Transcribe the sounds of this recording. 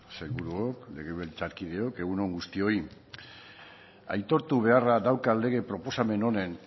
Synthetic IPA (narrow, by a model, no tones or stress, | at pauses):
se̞ɣuɾuokle̞ɣeβelit͡saɾkiðe̞o̞ke̞ɣuno̞ŋɡust̪io̞i | a̰jt̪o̞ɾt̪uβe̞araðawkale̞ɣ̞e̞pɾo̞po̞same̞no̞ne̞n